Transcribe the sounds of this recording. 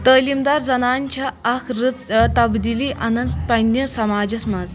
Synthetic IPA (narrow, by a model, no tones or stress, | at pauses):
t̪əːlimd̪aɾd͡zɐnaɲt͡ɕaːkʰɾɨt͡st̪ɐbd̪iliːʔanɐnpɐnjəsɐmaːd͡ʑɐsmad͡z